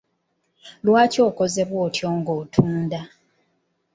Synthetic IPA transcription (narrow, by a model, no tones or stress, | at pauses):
lwaːco̞ːko̞ze̞βwo̞ːtʰjo̞ːŋɡoːtʰuːnda